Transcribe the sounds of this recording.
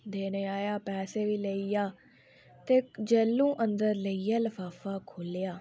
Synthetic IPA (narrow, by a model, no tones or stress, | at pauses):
d̪eːneːaːjaːpɛːseːʋiːləiːaː | t̪eːd͡ʒəlːũːʔənd̪əɾləiaːləfaːfaːkʰoːljaː